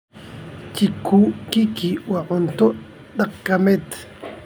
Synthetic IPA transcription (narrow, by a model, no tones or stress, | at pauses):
t͡ʃikuːʔkikiʔwaʔont̪oʔ | d̪aqkamet̪